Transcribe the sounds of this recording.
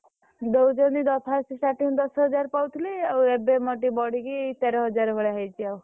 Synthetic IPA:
d̪owd͡ʒɔnd̪id̪ɔt̪ʰasisʈaʈind̪ɔsɦəd͡ʒaɾpawt̪ʰiliaebemɔʈibɔɽikiit̪ɛɾɔɦɔd͡ʒaɾbʱəɭeɦajt͡ʃʰiaw

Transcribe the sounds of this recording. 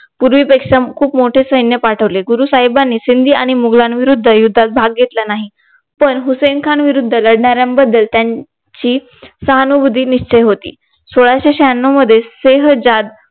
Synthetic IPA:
puɾʋiːpekʂakʰuːpmoʈʰesəɦinjəpaʈʰəʋleɡuɾuːsaɦibanːiːsind̪ʱiːaɽ̃imuɡlanʋiɾud̪ʱːəjud̪ʱːat̪̚bʱaɡɡʱet̪lanaɦi | pəɳɦusenkʰanʋiɾud̪ʱːələɽɳaɾjambəd̪ːəlt̪jaɲ | t͡ɕiː | səɦanubud̪ʱiːniɕt͡ɕejɦot̪ḭː | soɭaɕeɕanːoməd̪ʱːjeseɦd͡zad̪

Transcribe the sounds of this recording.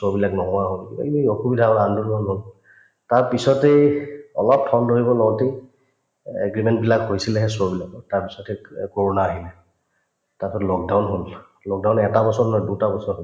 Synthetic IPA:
sobilaknɔɦɔ̃aɦolḛioxubidʱaɔɹandunɔnɦol | taɹpisɔteɔlɔp̚tʰɔndoɦibɔlɔwte | ɛ̰ɡɹimɛnt̚bilakɦojsilɛɦɛsobilakɔtaɹpisɔtɛkoɹɔnaːɦilɛ | taɹsɔtlɔk̚dawnɦol | lɔk̚dawnɛtabɔsɔɹnɔjdutabɔsɔɹɦɔ

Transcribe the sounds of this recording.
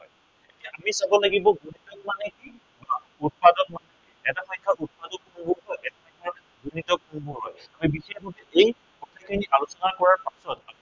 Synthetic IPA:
ɦɔ̰j | etaʔamisabɔlaɡibɔɡunitɔkmaneki | a | ut̚padɔnmanekiɛtaxʰɔjkʰaʔut̚padɔkunubɔɦɔjʔɛtapɔjkʰa | ɡunitɔk̚unubɔɦɔ̰jamibixeɔtɛʔej | kɔtʰakʰiniʔalosɔnakɔɹaɹpasɔtami

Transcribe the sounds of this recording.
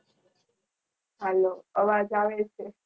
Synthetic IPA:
ɦɛloəʋad͡ʒaʋet͡ʃʰe

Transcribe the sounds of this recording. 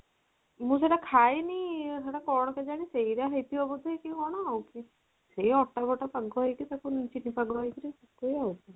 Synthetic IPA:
mũseʈakʰajnijseʈakɔɽ̃ɔked͡ʒaɽ̃isejɾaɦejt̪ʰiobɔd̪ʱaekikɔɽ̃ɔawki | sejɔʈːabɔʈapaɡɔɦɔjk̪it̪akunt͡ʃinipaɡɔajkiɾisɔkojawki

